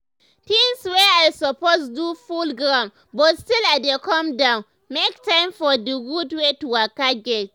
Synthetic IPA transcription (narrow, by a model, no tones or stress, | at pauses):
tĩŋsweajsɔposdufulɡɾãn | bɔstiladekɔmdãʊ̃n | mek̚tãɪ̃mfɔdiɡudwetuwakaɡʲɛt